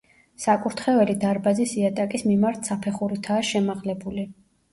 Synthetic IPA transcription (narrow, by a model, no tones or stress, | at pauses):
sakʼuɾt̪ʰχɛvɛlid̪aɾbazisiat̪ʼakʼismimaɾt̪ʰsapʰɛχuɾit̪ʰaːʃɛmaʁlɛbuli